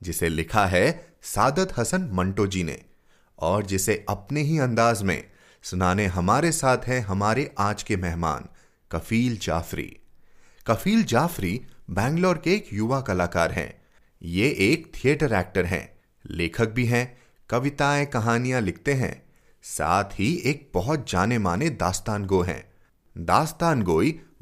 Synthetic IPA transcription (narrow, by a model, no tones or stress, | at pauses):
d͡ʒɪselɪkʰaɦɛsaːd̪ət̪ɦɐsənmɐ̃ɳʈoːd͡ʒiːnḛ | ɔːɾd͡ʒɪseʔɐpneɦiɐ̃nd̪aːzmḛ̃ | sʊnaːneɦɐmaːɾesaːt̪ʰɦɛɦɐmaːɾeʔaːd͡ʒkemɛɦma̰ːn | kɐfiːld͡ʒa̰ːfɾḭː | kɐfiːld͡ʒaːfɾibɛ̃ːŋɡlɔːɾkeːkjʊʋakɐlaːkaːɾɦɛ̰̃ː | jeʔeːkt̪ʰieːʈəɾɛːk̚ʈəɾɦɛ̰̃ | leːkʰək̚bʱiɦɛ̃ | kɐʋɪt̪aẽkɐɦaːnijãlɪk̚ʰt̪eɦɛ̰̃ː | sa̰ːt̪ʰɦieːk̚bɔɦɔt̪̚d͡ʒaːnemaːned̪aːst̪aːnɡoːɦɛ̰̃ː | d̪aːst̪aːnɡoːi